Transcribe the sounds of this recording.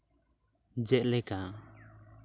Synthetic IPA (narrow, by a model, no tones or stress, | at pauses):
d͡ʒɛʔ̪̚lɛka